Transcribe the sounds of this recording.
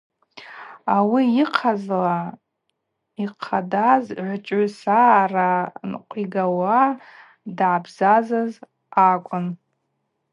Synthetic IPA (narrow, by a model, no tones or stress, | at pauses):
awiiqʰazla | iqʰadazʕʷt͡ʃʷʼʊsaranqʷʼiɡawa | dʕabzazaz | akʷʼʊn